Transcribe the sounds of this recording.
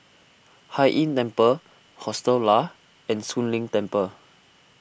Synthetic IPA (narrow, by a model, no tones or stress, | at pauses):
hajʔĩntɛ̃mpə | hɔstəlla | ɛ̃nsũnlĩŋtɛ̃mpə